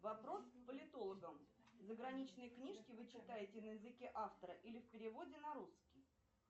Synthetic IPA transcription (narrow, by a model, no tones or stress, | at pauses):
vɐpɾo̞spəlʲɪt̪o̞lˠəɡəmzəɡɾɐnʲit͡ɕnɨjəknʲiʂkʲɪvɨt͡ɕɪt̪ajɪtʲɪnəjɪzɨkʲeʔaft̪əɾəʔilʲɪfpʲɪɾʲɪvo̞dʲɪnɐɾuskʲɪj